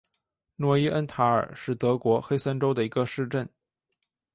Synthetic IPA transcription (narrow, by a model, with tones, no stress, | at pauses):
nwɔ˧˥i˥ʔə˥nt̪ʰa˧˥ə̰˞˨˩ʂɻ̩˥˩t̪ɤ˧˥kwɔ˧˥xe˥ɪsa˥nʈ͡ʂo˥ʊd̪ə˨i˧˥ɡə˧ʂɻ̩˥˧ʈ͡ʂə˥˩n